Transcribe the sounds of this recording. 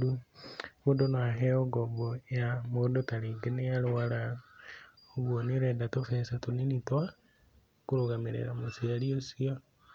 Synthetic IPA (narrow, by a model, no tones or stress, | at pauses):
u | βodonaɦɛoɡɔbɔjamodotaɾeɡeneaɾowaɾa | oɣwoneɾɛdatofɛːsatoninitwa | koɾoɣameɾḛɾamosiaɾiosiɔ